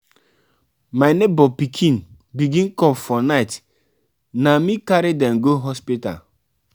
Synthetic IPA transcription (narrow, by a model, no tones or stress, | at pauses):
maɪnebɔpikʰĩn | biɡĩnkɔ̃mfɔnaɪt | namikaɾidɛmɡoɦɔspita̰